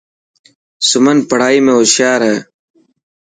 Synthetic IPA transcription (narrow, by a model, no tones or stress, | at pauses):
sʊmənpəɽ̤aːiːmẽːoʃjaːɾeː